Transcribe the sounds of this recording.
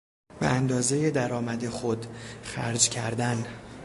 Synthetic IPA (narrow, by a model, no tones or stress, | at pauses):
beænd̪ɒːzejed̪æɾɒːmæd̪e̞xod̪xæ̰ɾd͡ʒcʰæɾd̪æn